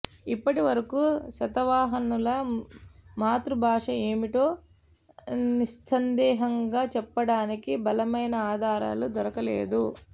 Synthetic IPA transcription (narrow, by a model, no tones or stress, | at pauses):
ipːɐʈiʋɐɾɐkuːʃɐt̪ɐʋaːɦɐnulɐ | maːt̪ɾubʱaːʂɐe̞ːmiʈo̞ː | niʃsɐnd̪ɛːɦɐŋɡaːt͡ʃɛpːɐɽaːnikibɐlɐmɐjnɐaːd̪ʱaːɾa̰ːlud̪ɔɾɐkɐlḛːd̪u